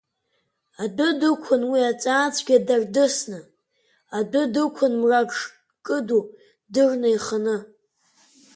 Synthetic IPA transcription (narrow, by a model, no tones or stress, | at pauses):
adʊdɨkʷʰʊnwiat͡sʼaːt͡sʷʰʼɡʲadardɨsnɨ | adʷʊdɨkʷʰʊnmraʂ | kʼɨdu | dɨrnaiχanɨ